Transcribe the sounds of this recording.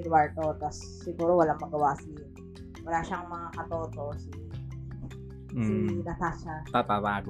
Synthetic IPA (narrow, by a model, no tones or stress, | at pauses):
d̪waɹt̪ot̪ɐsːɪɡuːɾowɐlaŋmɐɡɐwasi | wɐlaːʃaŋmɐŋakɐt̪oːt̪o̞si | sinɐt̪aʃat̪at̪at̪aːɡ